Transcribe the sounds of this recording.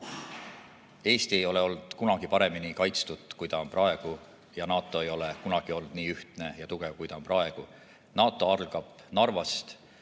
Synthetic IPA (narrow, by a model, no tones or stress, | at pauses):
e̞ːst̪iejo̞le̞o̞ld̪̥kunɑɡ̥ipɑɾe̞minikɑjt̪st̪ud̪̥kujd̪ɑomprɑe̞ɡ̥u | jɑnɑːt̪ːˑo̞e̞jo̞le̞kunɑɡ̥io̞lnd̪niːyht̪ne̞jɑt̪uɡ̥e̞vkujt̪ɑoprɑe̞ɡ̥u | nɑːt̪ːˑo̞ɑrlɡ̥ɑb̥ | nɑrvɑst̪